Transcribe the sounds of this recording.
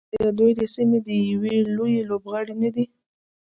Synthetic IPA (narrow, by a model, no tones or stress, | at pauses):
ad̪ujd̪əsimed̪əjawelojelobɣɑɽinad̪i